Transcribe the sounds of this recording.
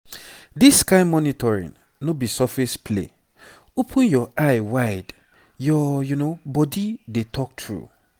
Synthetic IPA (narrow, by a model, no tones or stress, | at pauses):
disːkaɪmɔnitʰɔɹḭ̃ŋ | nobisafespʰlḛ | opʰũnjɔʔaɪwaɪd | jɔjunobɔdidetʰɔk̚tʰɹṵ